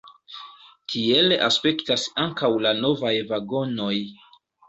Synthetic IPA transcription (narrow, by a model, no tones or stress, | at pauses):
kʰie̞la̰spe̞ktasaŋkawlano̞vajvaɡo̞no̞j